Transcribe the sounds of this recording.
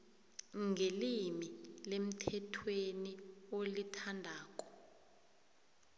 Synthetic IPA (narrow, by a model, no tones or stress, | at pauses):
ŋelimilem̩tʰɛtʰweniolitʰandʱaːk̬ʼɔ̥